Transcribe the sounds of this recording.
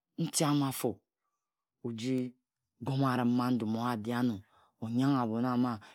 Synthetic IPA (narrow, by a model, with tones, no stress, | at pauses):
n̩˦ti˦a˦ma˦fo˨ | o˨d͡ʒi˦ | ɡo˦m˦a˨ɾa˨m̩˦ma˦n̩˦du˨mo˨a˦˨di˦a˦nu˨ | o˨ɲa˦ŋa˨bo˨na˦ma˦